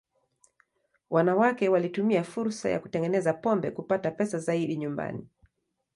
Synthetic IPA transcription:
wanawakɛwalitumiafuɾsa̰ja̰ku̥tɛŋɡɛnɛzapɔmbɛkupatapɛsazaiɗiɲumba̰ni

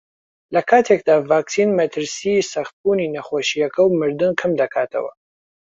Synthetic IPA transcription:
lɐkʰaːt̪ʰekd̪aːvaːksinmɐt̪ʰɨɾsisɐχt̪̚buninɐχoːʃijɐkʰɐwmɨɾd̪ɨnkʰɨmd̪ɐkʰaːt̪ʰɐ̰wɐ̰

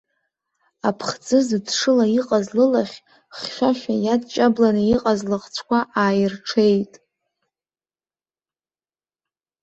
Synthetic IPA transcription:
apʰχd͡zɨzɨdʂɨlaiqʼazlɨlaχʲ | χʃʲʷᶣaʃᶣajadt͡ʃʼablanɨiqʼazlɨʁt͡sʷʰkʷʰaʔaːjɪrʈ͡ʂʰe̞jtʼ

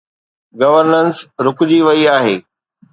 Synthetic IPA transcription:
ɡɐʋəɾnənsɾʊkʊd͡ʑiʋɐiaːɦeː

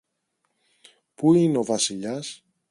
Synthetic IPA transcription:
puineo̞vɐsiʎɐs

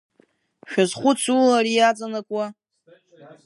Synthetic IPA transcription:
ʃᶣazχʷʊt͡sʰulaɾijat͡sʼanakʷʼwa

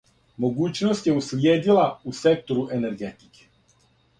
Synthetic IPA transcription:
moɡuːt͡ʃnost̪jɛusljeːd̪ilausek̚t̪oɾuʔeneɾɡeːt̪i̥ke̥

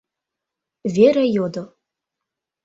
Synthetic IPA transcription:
vʲeɾæjod̪o

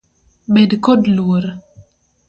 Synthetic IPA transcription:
bedkodlwoɾ

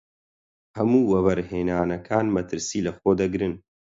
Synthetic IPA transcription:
hɐmuːwɐβɐɾheːnaːnɐkʰaːnmɐt̪ʰɨɾsiːlɐxoːd̪ɐɡɾɨn

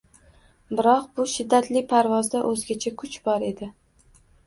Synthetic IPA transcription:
bɪɾɒqbʊʃɪd̪ːat̪lɪpʰaɾvɒzd̪aʔɵzɡʲat͡ʃʰakʰʊt͡ʃbɒɾe̞d̪ɪ

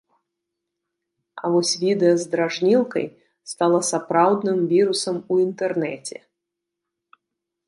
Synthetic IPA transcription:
a̰vɔsʲvʲid̪ɛjɐzd̪ɾaʐnʲilˠkɐ̰j | st̪alˠɐsapɾawd̪nɨmvʲiɾusɐmuint̪ɛrnɛt͡sʲɛ̰

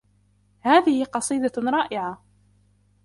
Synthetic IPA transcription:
haːðɪhɪqɑsˤiːd̪aɾˤɑːʔɪʕa

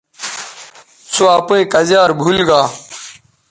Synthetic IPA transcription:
soaːpẽːkəzjaːɾbʱulɡaː

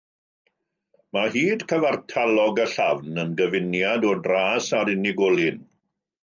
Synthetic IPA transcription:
mahiːdkʰəvartʰalˠɔɡəɬavnənɡəvɪnjadɔdraːsaɾɪnɪɡɔlˠɪn

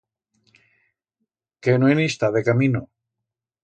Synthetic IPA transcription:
kenwenist̪aðekamino

